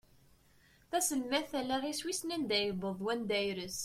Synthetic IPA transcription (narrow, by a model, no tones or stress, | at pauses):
θæsəlmæθælæʁiswisnænd̪æjəbəðˤwænd̪æjɾəs